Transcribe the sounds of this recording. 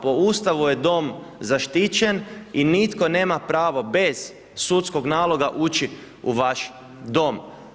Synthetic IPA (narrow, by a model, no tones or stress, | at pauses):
po̞ust̪aʋujed̪o̞mzaʃt̪it͡ɕeninit̪ko̞ne̞ːmapɾaːʋo̞be̞z̥ | sut̪sko̞ɡnaːlˠo̞ɡaʔut͡ʃi | uʋaʃ | d̪o̞m